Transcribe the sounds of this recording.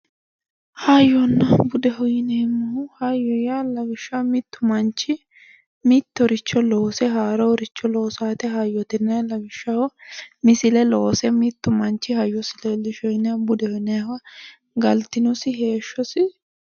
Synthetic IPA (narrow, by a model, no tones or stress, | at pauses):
hajɔnːɐbʊd̪ɛɦɔjɪnɛɛmːɐhʊhɐjɔjalɐɡɪʃːɐmɪt̪ːʊmɐnt͡ʃːɪ | mɪt̪ːɔɾɪt͡ʃːɔloːsɛɦaːɾɐɔɾɪt͡ʃːɔloːsaːt̪ɛɦajɔt̪ɪnːɐlɐɡɪʃːɐhɔmɪsɪlɛloːsɛmɪt̪ːʊmɐnt͡ʃːɪhɐjɔsɪlɛlːɪʃɔjɪnɐbʊd̪ɛhɔjnɐjwɐ | ɡɐlt̪ɪnʊsɪhe̞ːʃːɔsɪ